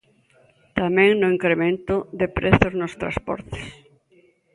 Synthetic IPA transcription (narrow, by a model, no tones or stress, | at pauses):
t̪amɛ̃ŋnʊiŋkɾemẽnt̪ʊðɪpɾeθʊznʊst̪ɾa̰spɔ̰ɾt̪ɪ̥s